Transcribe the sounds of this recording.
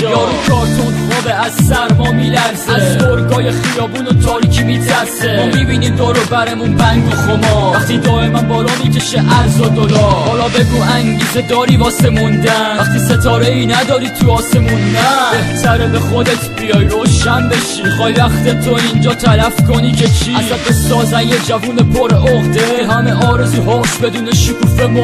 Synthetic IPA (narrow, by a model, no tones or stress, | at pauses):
ɒːɾikʰɒːɾt̪ʰonfɔbeæzsæɾmɒːmiːlæɾzæzoɾɡɒːjeχijɒːbuːnot̪ʰɒːɾiːcʰimiːt̪ʰæɾsemomibiːnid̪oɾobæɾemunbæŋɡoχomɒvæχt̪id̪ɒːemænbɒːlɒːmiːcʰeʃeʔæɾzɔd̪odɒhɒlɒːbe̞ɡuːæŋɟiːzed̪ɒːɾiːvɒːsemund̪ææχt̪ʰiset̪ʰɒːɾeiːnæd̪ɒːɾiːt̪ʰuɒːsemunːæbesæɾebeχo̞d̪et̪ʰbijɒːjɾoːʃænbe̞ʃimixɒːjvæχt̪et̪ʰoind͡ʒɒːt̪ʰælæfko̞niːcʰet͡ʃʰiææbesɒːzæjed͡ʒævuːnepʰoɾohd̪eɦæmeʔɒːɾe̞zuːɦɒːsbe̞d̪uːneʃukʰuːfemo